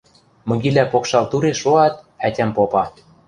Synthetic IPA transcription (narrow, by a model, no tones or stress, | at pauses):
mɤ̆ɣilʲæpokʃɑlt̪uɾeʃoɑt̪̚ | ætʲæmpopɑ